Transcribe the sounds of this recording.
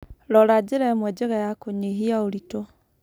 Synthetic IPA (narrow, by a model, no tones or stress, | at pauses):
lɔɾad͡ʒɪɾɛmwɛd͡ʒeɣɛjakoɲeɦiaoɾito